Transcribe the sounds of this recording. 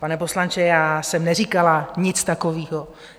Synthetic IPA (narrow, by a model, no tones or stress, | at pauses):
panɛpo̞slant͡ʃɛjaːsɛmnɛriːkalaɲɪt͡st̪akoviːɦo